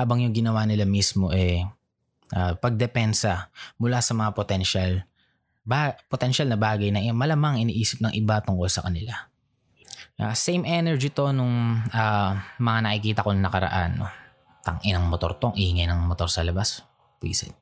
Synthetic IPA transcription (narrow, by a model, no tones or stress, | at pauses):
haːbɐŋjʊŋɡɪnɐwanɪlamismo̞ʔɛ | ʔapɐɡ̚d̪ɛpɛnsɐmʊlasɐmɐŋapot̪ɛnʃal | bapot̪ɛnʃalnɐbaːɡɐjnɐŋmɐlɐmaɐŋʔɪniʔiːsɪp̚nɐŋʔɪbat̪ʊŋko̞lsɐkɐnɪla | asɛjmʔɛnɛɹd͡ʒit̪o̞nʊŋaːmɐŋanɐkɪkiːt̪ɐkoŋnɐkɐɾɐ̰ʔa̰nːo̰ | t̪ɐ̰ŋʔɪnɐŋmot̪o̞̰ɾt̪oŋʔɪhɪŋɐjnɐŋmot̪o̞ɾsɐlɐbas | pḭsɛ̰n